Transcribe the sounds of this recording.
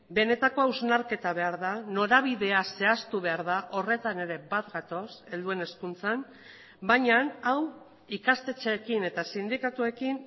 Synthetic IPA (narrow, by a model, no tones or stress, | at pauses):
be̞ne̞t̪ako̞awznaɾke̞t̪aβe̞aɾðano̞ɾaβ̞iðe̞ase̞ast̪uβe̞aɾðaʔo̞re̞t̪ane̞ɾe̞bat̪ɡat̪o̞se̞ld̪ue̞ne̞skunt͡san | baɲanaw | ikast̪e̞t͡ʃekine̞t̪asind̪ikat̪ue̞kin